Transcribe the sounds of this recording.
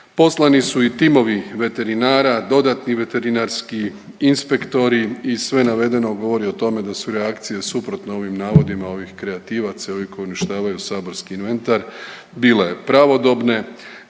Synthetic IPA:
po̞slˠanisuit̪imo̞ʋiʋe̞t̪e̞ɾinaːɾad̪o̞d̪at̪niʋe̞t̪e̞ɾinaɾski | inspe̞kt̪o̞ɾiːsʋe̞naʋe̞d̪e̞no̞ɡo̞ʋo̞ɾio̞t̪o̞me̞d̪asuɾe̞akt̪sije̞supɾo̞t̪noo̞ʋimnaːʋo̞d̪imao̞ʋixkɾe̞at̪iːʋat̪sao̞ʋiko̞juniʃt̪aːʋajusaːbo̞ɾskiːnʋe̞nt̪aɾ | biːle̞pɾaʋo̞d̪o̞bne̞

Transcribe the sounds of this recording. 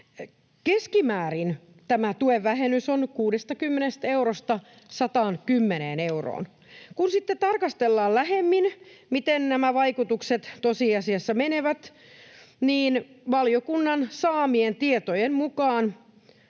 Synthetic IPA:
keskimæːɾin | t̪æmæt̪ueʋːæɦenysonkuːdest̪ɑkymːenest̪euɾost̪ɑ | sɑt̪ɑːnkymːeneːneuro̰ːn | kunsit̪ːett̪ɑrkɑst̪elːɑːllæɦemːinmit̪ennæmæʋɑikut̪ukset̪t̪osiːɑsiɑsːɑmeneʋæt̪ | niːnʋɑljokunːɑnsɑːmient̪iet̪ojemmukɑːn

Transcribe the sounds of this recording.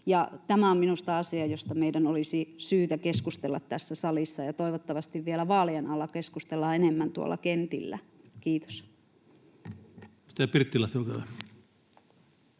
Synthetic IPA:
jɑt̪æmæomminust̪ɑɑsiɑjost̪ɑmeidænolisisyːt̪ækeskust̪elːɑt̪t̪æsːæsɑlisːɑjɑt̪oiʋot̪ːɑʋɑst̪iʋʋielæʋɑːlienɑlːɑkeskust̪elːɑenemːænt̪uo̰lːˑɑ̰kent̪ḭlːæ̰ | kiːt̪o̥s | i̥t̪æpirt̪ːilɑst̪okæʋæ

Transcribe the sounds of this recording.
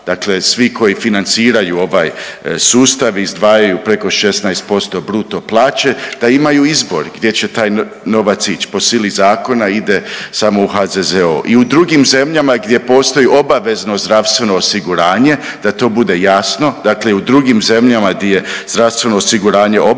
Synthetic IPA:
d̪̥akle̞sʋikʰo̞jifinant̪siːɾajuo̞ʋajsuːst̪aʋizd̪ʋaːjajupɾe̞ko̞ʃe̞snaest̪̚po̞st̪o̞bɾuːt̪o̞plˠaːt͡ɕe̞d̪̥aimajuizbo̞̰ɾɡd̪je̞t͡ɕe̞t̪aːj | no̞ʋat̪sit͡ɕpo̞silizaːko̞naid̪e̞samo̞uɦazezeo̰ʔiud̪ɾuɡimze̞mʎamaɡd̪ʲje̞po̞ːst̪o̞jiʔo̞baʋe̞zno̞zd̪ɾaʋst̪ʋe̞no̞ːsiɡuɾaːɲe̞ | d̪̥at̪o̞ːbud̪e̞jasno̞d̪akleud̪ɾuɡimze̞mʎamaɡd̪jeje̞z̥d̪ɾaʋst̪ʋe̞no̞ːsiɡuɾaːɲe̞ʔo

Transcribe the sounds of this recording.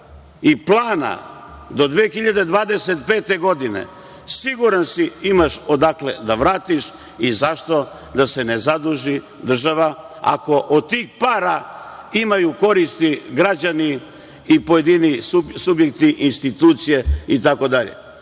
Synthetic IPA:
iplˠaːna̰d̪o̞d̪ʋeːxiʎad̪e̞d̪ʋaːd̪e̞set̪peːt̪e̞ɡo̞d̪inḛ | siɡuɾansiimaʃod̪akle̞d̪aʋɾaːt̪iʃ | izaʃt̪o̞ | d̪ase̞nezad̪uʒi | d̪r̩ʒaʋa | a̰ko̞ʔod̪̚t̪iːxpaːɾaimajuko̞ɾist̪iɡɾad͡ʑani | ipo̞je̞d̪iniusubjek̚t̪iʔinst̪it̪uːt̪sije̞it̪ako̞d̪aʎḛ

